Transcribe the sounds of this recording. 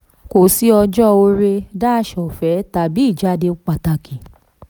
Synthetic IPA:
ko˨si˨˦ɔ˧d͡ʒɔ˦o˧˦ɾe˧da˦ʃɔ˨fɛ˨˦ta˨bi˨˦i˦˨d͡ʒa˨˦de˧˦k͡pa˨ta˨˧ki˨

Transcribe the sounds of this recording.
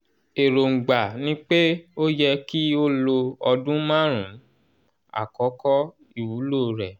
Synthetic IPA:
e˨ɾo˨ŋ̩˨ɡ͡ba˨nĩ˦k͡pe˦o˦jɛ˧ki˦o˦lo˧ɔ˧dũ˦mã˦ɾ̃ũ˨˦ | a̰˨kɔ˨˦kɔ˦ | i˦˨wu˨˦loː˦˨ɾɛ˨

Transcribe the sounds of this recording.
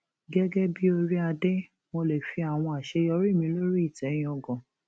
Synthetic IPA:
ɡɛ˦ɡɛ˦bi˦o˧ɾi˦a˧de˦ | mo˧le˨fi˧a˨w̃ɔ̃˧a˨ʃe˧jɔ˧˦ɾi˦˨mĩ˧˦lo˦ɾi˦i˦˨tɛ˨˦j̃ɔ̃˧ɡɔ̃˨

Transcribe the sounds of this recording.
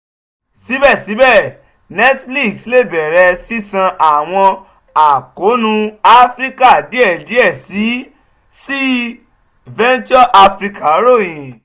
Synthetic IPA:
si˨˦bɛ˦˨si˨˦bɛ˦˨ | nɛ˦tfli˦˨ksle˦˨bɛ˨ɾɛ˧si˦sã˧ʔa˨w̃ɔ̃˧ | a˨ko˨˦nũ˧a˦fɾi˦ka˦˨di˨˦ɛ˦˨di˨˦ɛ˦˨si˨˦ | si˦ | vɛ˦n˦t͡ʃɔ˦ʔa˧fɾi˧ka˨˦ɾo˦˨j̃ĩ˨

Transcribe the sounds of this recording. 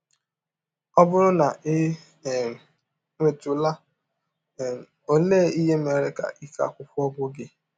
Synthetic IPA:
ɔ˦bʊ˦ɾʊ˦na˨˦˨ | ŋe˨tʊ˨la˦˨ | o˦le˦˨i˦ɦe˦me˨ɾe˦ka̰˨ʔi˦ka̰˦˨kʷʊ˦pʊ˦ɔ˦bʊ˦ɡɪ˦

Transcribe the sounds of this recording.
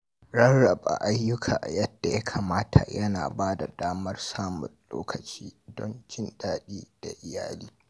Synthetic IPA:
ɽɐ˦ɽɐ˨ba̰˨ʔa˦jːʊ˦kʰaː˨ʔa˨jɐ˦d̥ːa˨ja˦kʰa˨maː˦tʰa̰˨jɐ˦na̰ː˨baː˦da˨daː˦mɐ˦rsaː˦mʊ̰˨nlo̰ː˦kɐ˨t͡ʃiː˦dɔ˦nt͡ʃɪ˦nɗaː˦ɗiː˦d̥a˨ʔɪ˨jaː˦liː˦

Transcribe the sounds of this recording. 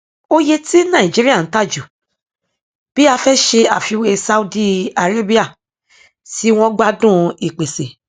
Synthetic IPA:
o˦je˧ti˦nã˦˨ĩ˨d͡ʒi˦ɾi˦a˦˨n̩˦ta˦˨d͡ʒu˨ | b̥i˦a˧fɛ˦ʃe˧a˨fi˨˧we˧sa˧u˦di˦a˨ɾe˦bi˦a˦˨ | si˨˦w̃ɔ̃˦ɡ͡ba˦dũ˦i˨k͡pe˨se˨

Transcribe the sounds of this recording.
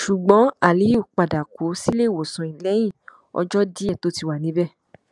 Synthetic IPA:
ʃu˨ɡ͡bɔ̃˨˦a˦˨li˨˦u˦˨k͡pa˨da˨kʰo˨˦si˦le˦˨wo˨sũ˨ĩ˨lɛ˨˦j̃ĩ˦˨ | ɔ̰˧d͡ʒɔ˦di˦ɛ˦˨to˦ti˧wa˨nĩ˨˦bɛ˦˨

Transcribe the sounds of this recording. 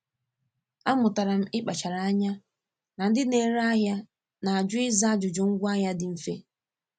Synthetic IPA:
a˦mʊ˨ta˨ɾa˨m̩˦ɪ˦k͡pa˨t͡ʃa˨ɾa˨a˦ɲa˦ | na˨n̩˦dɪ˦ne˨ɾa˦ɦja˦ | na˨a˨d͡ʒʊ˦ɪ˦za˦a˦d͡ʒʊ˨d͡ʒʊ˨ŋ̩˦ɡʷa˦ɦja˦dɪ˨m̩˨fḛ˦

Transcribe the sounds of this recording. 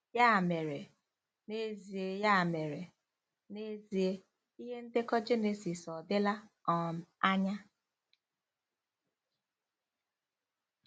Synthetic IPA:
ja˦˨me˨ɾe˨ | ne˦zi˨e˦ja˦a˨me˨ɾe˨ | ne˦zi˨e˦ | i˦ɦe˦n̩˦dɪ˦kɔ˦d͡ʒe˦ne˨si˨sɔ˨dɪ˦la˦ɔ˨m̩˨a˦ɲa˦

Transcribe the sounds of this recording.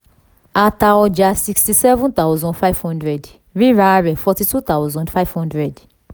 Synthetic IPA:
a˧ta˧ɔ˧d͡ʒa˧si˧kstisɛ˦vɔ̃˦nt̪a˦ʊzɔ̃˦nfa˦ivhɔ̃˦ndɹɛ˨d | ɹi˦ɾa˦ɾɛ˨fɔ˧ti˧tu˦t̪a˦ʊzɔ̃˨ndfa˦ivhɔ̃˦ndɹɛ˨d

